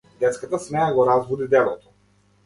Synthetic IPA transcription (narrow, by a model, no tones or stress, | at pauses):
d̪ɛt̪skat̪asmɛaɡɔɾazvud̪id̪ɛlˠɔ̰t̪ʰɔ̥